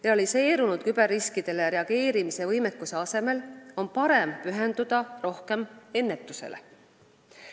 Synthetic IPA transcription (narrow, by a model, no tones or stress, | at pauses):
reɑlise̞ːɾunud̪̥kyb̥erːiskid̪̥e̞leɾe̞ɑɡ̥e̞ːɾimise̞vɤjme̞kːˑuse̞ɑse̞me̞lo̞npɑɾe̞mpyɦe̞nd̪̥ud̪̥ɑro̞hke̞me̞nːe̞t̪ːˑuse̞̰le̞̰